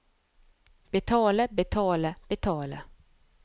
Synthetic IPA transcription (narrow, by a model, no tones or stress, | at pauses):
b̥ɛt̪ʰɑːləbɛt̪ʰɑːləb̥ɛt̪ʰɑːlə̰